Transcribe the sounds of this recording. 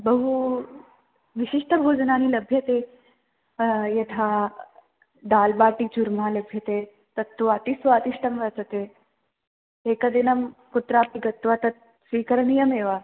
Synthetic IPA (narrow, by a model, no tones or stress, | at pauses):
bɐɦu | ʋiɕiʂʈɐbʱoːd͡ʒɐnaːnilɐbʱjɐt̪eː | jɐt̪ʰa | d̪aːlbaːʈid͡ʒuɾmaːlɐbʱjɐt̪eː | t̪ɐt̪ːuat̪isʋaːt̪iʂʈɐmʋɐt͡sɐt̪e | eːkɐd̪inɐmkut̪ɾaːpiɡɐt̪ːʋaːt̪ɐt̪̚ | sʋiːkɐɾɳijɐmeːʋaː